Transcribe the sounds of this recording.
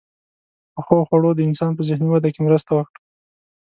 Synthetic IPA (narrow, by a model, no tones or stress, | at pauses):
pəxoxwaɽod̪əɪnsɑnpəzɪhniwad̪akemɾəst̪awəkɽa